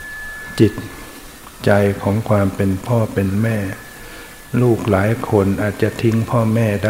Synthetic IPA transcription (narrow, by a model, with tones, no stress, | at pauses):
t͡ɕi˨˩t̪̚ | t͡ɕa˧jkʰɔː˩˦ŋkʰwaː˧mpe˧npʰɔː˥˩pe˧nmɛː˥˩ | luː˥˩k̚laː˩˦jkʰo˧nʔaː˨˩t̪̚t͡ɕa˨˩t̪ʰi˦˥ŋpʰɔː˥˩mɛː˥˩da˥˩